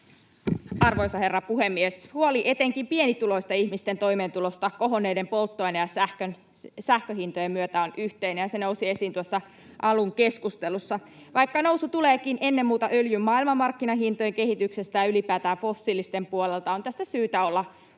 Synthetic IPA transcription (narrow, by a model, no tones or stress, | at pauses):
ɑrʋoisɑhe̞rːɑpuhemːieshuoliʔet̪eŋkimpienit̪ulo̞ist̪ɑihmist̪ent̪o̞ime̞ːnt̪ulost̪ɑkoɦonːˑeidempolt̪ːojnɑjɑsæhkøn | sæhkøɦint̪ojemmyøt̪æonʔyht̪einejɑsenousie̞siːnt̪uosːɑ | ʔɑluŋke̞skust̪elusːɑ | ʋɑikːɑno̞wsut̪uleːkinʔe̞nːemmuːt̪ɑʔøljymːɑːilmɑmːɑrkːinɑɦint̪ojeŋke̞hit̪ykse̞st̪æjɑylipæːt̪æːɱfo̞sːiːlːˑist̪empuolelt̪ɑont̪æst̪æsyːt̪æolːɑ